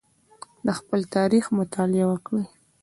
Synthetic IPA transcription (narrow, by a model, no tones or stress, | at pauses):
d̪əxpəlt̪ɑɾixmʊt̪ʰɑlɪawəkɽəj